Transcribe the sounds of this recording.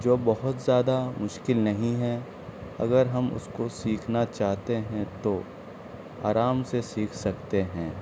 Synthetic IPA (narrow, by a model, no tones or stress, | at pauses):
d͡ʒoːbɐɦʊt̪zjaːd̪amʊʃkɪlnɐɦĩɦɛ̃ | ɐ̰ɡəɾɦɐmʊ̰skosiːkʰnat͡ʃaːɦt̪eɦɛ̃t̪o | a̰ːɾaːmsesiːkʰsɐkt̪eɦɛ̃ː